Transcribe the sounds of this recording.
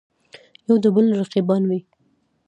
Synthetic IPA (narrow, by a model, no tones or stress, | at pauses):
jawd̪əbəlɾaqibɑnwi